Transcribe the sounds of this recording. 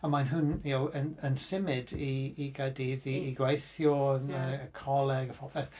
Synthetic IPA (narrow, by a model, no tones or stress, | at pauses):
amanɦʊnjowənənsɪmɪdiːɡɛdiðiːɡwejθjɔənəəkʰɔlˠɛɡəfɔbɛθ